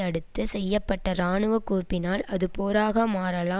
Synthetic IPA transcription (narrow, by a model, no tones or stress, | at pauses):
ɐɽɯt̪ːɯsɛjːɐpːɐʈːɐɾaːɳɯʋɐkːuːpːɪnaːlɐðɯpoːɾaːɣɐmaːɾɐlaː